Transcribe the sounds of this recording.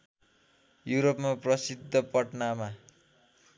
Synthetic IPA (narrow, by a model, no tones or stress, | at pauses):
juɾopmaprʌsid̪ʱːʌpʌʈnama